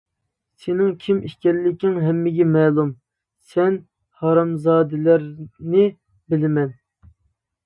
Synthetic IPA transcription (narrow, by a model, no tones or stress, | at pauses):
senɪŋkʲʰimiʃkʲɛlːɪkʲɪŋɦɛmːɪɡʲɛmɛːlˠum | sɛn | hɑɾɑmzɑːd̪ɪlæɾnɪ | bɪlɪmɛn